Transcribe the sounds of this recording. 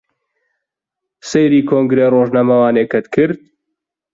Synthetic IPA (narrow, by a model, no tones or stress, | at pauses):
sejɾiːkʰoːŋɡɾeːroːʒnamɐwaːneːkɐt̪kʰɨɾd̪̚